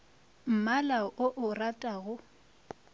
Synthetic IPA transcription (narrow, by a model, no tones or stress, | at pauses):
m̩malaʔʊʔʊratʼaɣʊ